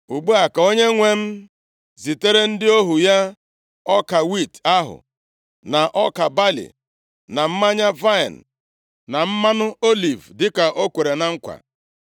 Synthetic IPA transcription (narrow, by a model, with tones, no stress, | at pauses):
u˨ɡ͡bu˦a˨ka˨o˦ɲe˦ŋʷe˦m̩˦ | zi˨te˦ɾe˦n̩˦dɪ˦o˦ɦu˨ja˦ | ɔ˦ka˨wi˦˨ta˦ɦʊ̰˨ | na˨ʔɔ˦ka˨ba˦lḭ˨ | na˨m̩˦ma˦ɲa˦va˦ɪ˨n̩˨ | na˨m̩˦ma˦nʊ˦o˦li˨vdɪ˦ka˨ʔo˦kʷe˨ɾe˨na˨˦ŋ̩˦kʷa̰˨